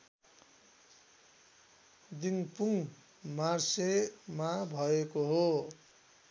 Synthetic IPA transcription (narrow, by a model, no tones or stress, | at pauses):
d̪iŋpuŋ | marsemabʱʌekoɦo